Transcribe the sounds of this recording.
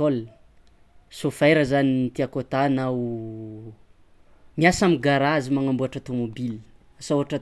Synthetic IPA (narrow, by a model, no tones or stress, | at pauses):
ol | sofajɾəzaninit̪iakot̪anau | miasamiɡaɾazimaŋambuaʈ͡ʂət̪omobil | asauɦaʈ͡ʂə